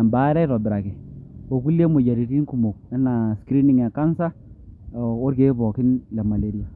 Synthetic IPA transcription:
a˨mba˨˦ɾɛ˦ɾɔ˨dʊ˨ɾa˨kɪ˨o˨ku˦le˦mʊ˨d͡ʒa˨ɾi˨ɾi˦nku˨mo˨k̚ɛ˦na˨skɾi˦nɪ˦ŋa˨ka˦nsa˦˨ | o˦ɾke˦βɔ˨kɪ˦nla˨ma˨le˨ɾi˦a˨

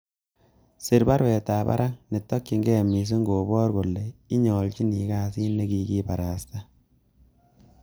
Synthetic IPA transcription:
sɪ˨ɾba˦ɾwɛ˨taː˨ba̰˦ɾʔa˦ŋne˨tːɔ˦kːi˨ŋɡɛ˦mi˨s̬u˦ŋɡo˨bɔ˦rɡo˨lːe˨i˦ɲɔ˨lt͡ʃi˦ni˨kaː˦si˦ne˦ki˨ki˦ba˨ɾa˨sta˦

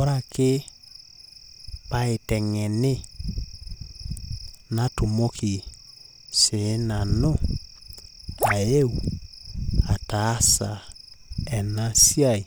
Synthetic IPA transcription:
ɔ˦ɾa˦˨kɪ˦ | pa˨e˨tɛ˨ŋɛ˨nɪ˦ | na˦tu˨mo˦kʰi˨ | se˨˦na˨no˦ | a˨e˦u˨ | a˨ta˨˦sa˨ | ɛ˨na˦si˦a˦˨i˨

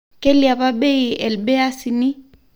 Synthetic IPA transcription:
kɛ˦lia˨βa˦bɛ˦i˨ɛ˨lbɛ˦a˦si˨ni˦

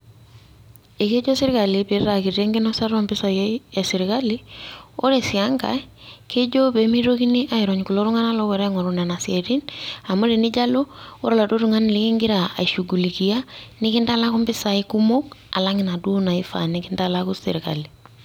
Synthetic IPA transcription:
e˨ke˦d͡ʒo˦sɪ˦ɾka˨libe˨ɾa˨ki˨ɾe˦ŋɡi˦nɔ˦sa˦ɾɔ˦mbɪ˦sa˨je˨sɪ˨ɾika˦li˦o̰˦ɾe˨si˨a˦ŋɡa̰˦ke˦d͡ʒo˦be˨˦mi˦ɾo˦ki˦ni˦ʔa˦i˨ɾɔ˨ɲku˨lo˦ɾu˦ŋa˦na˦lɔ˦wɛ˨ɾɛ˦ŋɔ˨ɾu˨nɛ˨na˨sie˨ɾi˦na˨mu˦ɾe˨ni˦ɟa˦lo˦o˦ɾa˦la˨do˦ɾu˦ŋa˦n˨lɪ˦ki˦ŋɡi˦ɾa˨a̰˨i˨ʃu˨ɡu˨li˨ki˨ja˦nɪ˦kɪ˦nda˦la˦ku˦mbɪ˦sa˨i˦ku˦mo˦ka̰˨la˦ŋɪ˨na˨du˦o˦na˨i˦fa̰˨nikɪ˦nda˦la˦ku˦sḭ˨ɾɪka̰˨li˨

